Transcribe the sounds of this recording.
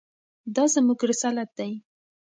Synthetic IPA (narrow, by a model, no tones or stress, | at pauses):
d̪ɑzəmuɡɾɪsɑlat̪̚d̪aj